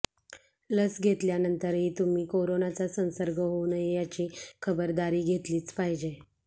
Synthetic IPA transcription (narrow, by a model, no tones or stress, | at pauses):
ləsɡʱet̪ljanənt̪əɾɦiːt̪um̤iːkoɾonat͡sasə̃ñsəɾɡʱəɦounəjat͡ɕiːkʰəbəɾd̪aɾiːɡʱet̪liːt͡spaɦid͡ʑe